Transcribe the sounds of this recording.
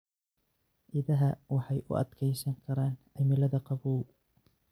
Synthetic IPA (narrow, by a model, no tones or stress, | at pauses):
ʔɪðɐɦɐwɑħɑjʔʊ̰ʔɐ̰d̪kʰɛjsɐŋkʰɐɾaːnʔɐmɪlɐðɐqɑbuːl